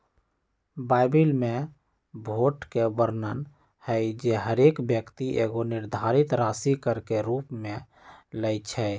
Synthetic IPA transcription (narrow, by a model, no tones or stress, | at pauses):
baɪbilme | bʱoʈkebəɾnən | həjd͡ʒeɦəɾekbjəkt̪iʔeɡoniɾd̪ʱaɾit̪ɾasikəɾkeɾupmẽ | ləɪt͡ʃʰɛ